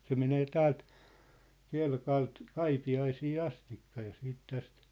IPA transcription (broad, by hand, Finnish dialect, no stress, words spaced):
se meneː tæːlt kelkɑlt kɑipiɑisiː ɑstikːɑ jɑ siːt tæst